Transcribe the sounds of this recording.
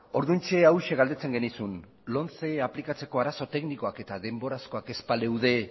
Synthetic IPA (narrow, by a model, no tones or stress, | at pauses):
o̞ɾðunt͡ʃe̞awʃe̞ɣald̪e̞t͡se̞ŋɡe̞nisun | lo̞nt͡seaplikat͡se̞ko̞aɾaso̞t̪e̞kniko̞ake̞t̪aðe̞mbo̞ɾasko̞ake̞spalewðe̞